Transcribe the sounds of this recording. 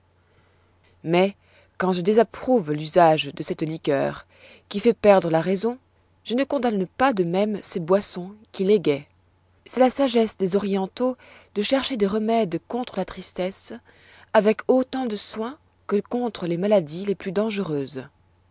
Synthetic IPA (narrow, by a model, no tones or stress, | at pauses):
mɛ | kɑ̃ʒəd̪ezapχuvlyzaʒd̪əsɛt̪likʲœ̰ːʁ | kʲifɛpɛʁd̪ʁəlaʁɛzɔ̃ | ʒ̥ənəkɔ̃d̪anpad̪əmɛmsebwasɔ̃kʲileɡɛ | sɛlasaʒɛsd̪ezɔʁjɑ̃t̪o | d̪̥əʃɛʁʃed̪eʁəmɛd̪kɔ̃t̪χəlat̪χist̪ɛs | avɛkot̪ɑ̃d̪əswɛ̃ | kəkɔ̃t̪χəlemalad̪ileplyd̪ɑ̃ʒəʁøːz